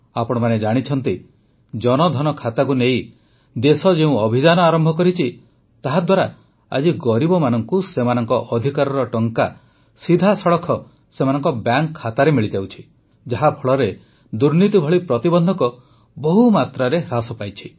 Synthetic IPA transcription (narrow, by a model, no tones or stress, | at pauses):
apɔɽ̃ɔmaned͡ʒaɽ̃it͡ʃʰɔnt̪i | d͡ʒɔnɔd̪ʱɔnɔkʰat̪akunej | d̪esɔd͡ʒeũɔbʱid͡ʒanɔaɾɔmbʱɔkɔɾit͡ʃʰi | t̪aɦad̪waɾa | a̰d͡ʒiɡɔɾibɔmanɔŋkusemanɔŋkɔʔɔd̪ʱikaɾɔɾɔʈɔŋka | sid̪ʱasɔɭɔkʰɔ | semanɔŋkɔbaŋkʰːat̪aɾemiɭid͡ʒawt͡ʃʰi̥ | d͡ʒaɦapʰɔɭɔɾe | d̪uɾnit̪ibʱɔɭipɾɔt̪ibɔnd̪ʱɔkɔ | bɔɦumat̪ɾaɾeɦɾasɔpajt͡ʃʰi̥